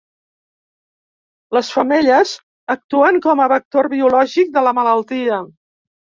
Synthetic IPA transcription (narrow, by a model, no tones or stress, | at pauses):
ləsfəmeʎəz | ək̚t̪uəŋkɔməβək̚t̪orβiulɔʒik̚d̪ələmələlˠt̪iə